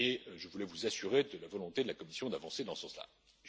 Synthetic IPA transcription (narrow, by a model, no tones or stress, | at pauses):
eʒəvulɛvuzasyʁed̪əlavɔlɔ̃t̪ed̪əlakɔmisjɔ̃d̪avɑ̃sed̪ɑ̃səsɑ̃sla̰